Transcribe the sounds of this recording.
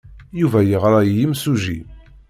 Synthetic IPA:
juvæjəʁɾˤajimsuʒḭ

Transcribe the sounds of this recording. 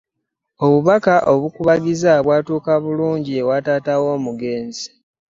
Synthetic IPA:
o̞βuβakaʔoβukuβaɡizaβwaːtuːkaβuluːɲɟie̞wataːtawo̞ːmuɡe̞ːnzi̥

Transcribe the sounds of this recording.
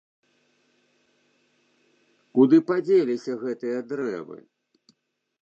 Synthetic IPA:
kud̪ɨpad͡zʲelʲisʲɐɣɛt̪ɨjɐd̪ɾɛ̰vɨ̰

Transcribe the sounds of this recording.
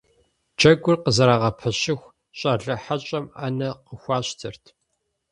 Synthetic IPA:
d͡ʒʰɐɡʷʊrqəzɐɾaːʁɐpʰɐɕɪxʷ | ɕʼɐɮɐħaɕʼɐma̰nɐqəxʷɑːɕtʰɨrtʰ

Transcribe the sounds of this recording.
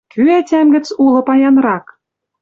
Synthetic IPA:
kyætʲæmɡɘ̆t͡sulɤ̆pɑjɑnrɑk

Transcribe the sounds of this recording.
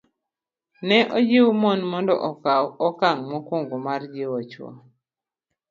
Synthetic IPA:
nɛʔɔd͡ʒɪwmɔnmɔndɔ̰ʔɔkaɔkaŋmɔkoŋɡomard͡ʒɪwɔt͡ʃwɔ̰

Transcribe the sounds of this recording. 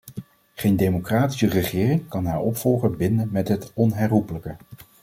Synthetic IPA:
χejndejmokraːti̥sərəχɪːrɪŋkɑnɦaːɹɔpfɔlˠχəbɪndənmɛtɦətɔnɦɛrɦupələkə

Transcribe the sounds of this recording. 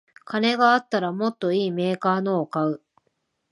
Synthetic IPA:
kane̞ɡaːt̪ːaɾamo̞t̪ːo̞iːme̞ːkaːno̞ːkaɯ̟

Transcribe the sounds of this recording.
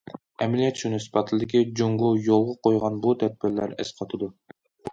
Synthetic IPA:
ɛmlijɛt̪ʃunɨspʰɑt̪ʰlˠɨd̪ɪkʲid͡ʒuŋɡʊjolˠʁəqʰojʁɑnbut̪ʰɛd̪̚bɪɾlæ̰ɾɪ̰sqʰɑt̪ʰɨd̪u

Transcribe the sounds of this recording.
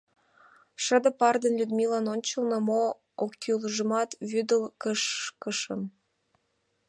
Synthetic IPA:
ʃə̆d̪ə̆pɑrd̪ənlʲyd̪milɑnonʲt͡ɕə̆lˠnɤ̆mo | okːeuləʒə̆mɑt̪βyd̪əlkəʃkəʃə̆m

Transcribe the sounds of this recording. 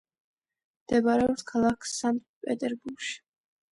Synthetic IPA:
md̪ɛbaɾɛɔpskʰalˠakʰsant̪pʼɛt̪ʼɛɾbuɾɡʃi̥

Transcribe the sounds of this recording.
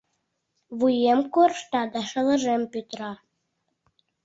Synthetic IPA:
βujemkorʃt̪ɑd̪ɑʃɤ̆lə̆ʒempyt̪ɾɑ

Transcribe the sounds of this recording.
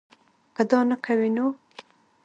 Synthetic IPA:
kəd̪ɑnakʰawino

